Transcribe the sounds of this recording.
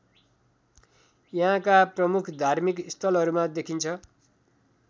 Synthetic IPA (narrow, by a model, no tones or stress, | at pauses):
jʌɦãkaprʌmukʰd̪ʱarmikist̪ʰʌlɦʌɾumad̪ekʰint͡sʰʌ